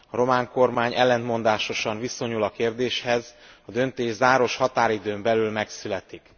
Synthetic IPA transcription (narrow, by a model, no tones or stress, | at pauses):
ɒɾo̞maːŋko̞rmaːɲɛlːɛnt̪̚mo̞nd̪aːʃo̞ʃɒɱviso̞ɲulɒkeːrd̪eːʃhɛzɒd̪ø̞nt̪eːʒzaːɾo̞ʃhɒt̪aːɾid̪øːmbɛlylmɛksylɛt̪ik